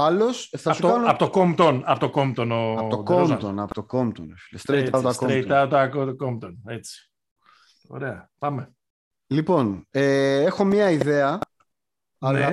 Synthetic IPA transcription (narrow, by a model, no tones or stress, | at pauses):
ɐlo̞sθɐsukɐnuɐpot̪okomt̪onɐpot̪okomt̪onoɐt̪okomt̪onɐpot̪okomt̪o̰nlest̪ɾejt̪ɐpot̪ɐskoɾeɐpot̪ɐkot̪komt̪onet͡si̥ | o̞̰ɾeɐpɐme | lipo̞neexo̞mɲɐiðe̞ɐ | ɐlɐ